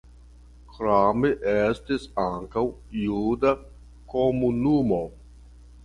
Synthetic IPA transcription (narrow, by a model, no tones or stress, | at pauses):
kɾameʔestisaŋkawjuda | komunumo